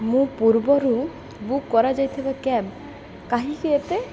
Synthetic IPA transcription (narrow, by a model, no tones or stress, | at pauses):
mũpuɾbɔɾu | bukːɔɾad͡ʒajt̪ʰebakɛb̚ | kaɦikiet̪e